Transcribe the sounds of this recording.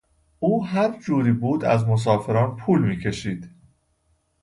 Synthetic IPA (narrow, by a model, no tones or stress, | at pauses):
ʔuːɦæɾd͡ʒuːɾiːbuːd̪æ̰zmo̞s̬ɒːfe̞ɾɒːnpʰuːlmiːcʰe̞ʃiːd̪̥